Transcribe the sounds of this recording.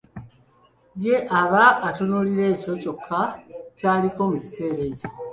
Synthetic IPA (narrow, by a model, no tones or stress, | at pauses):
je̞ʔaβaːtonuliɾe̞ːco̞co̞kʰːacaːliko̞muci̥se̞ːɾe̞je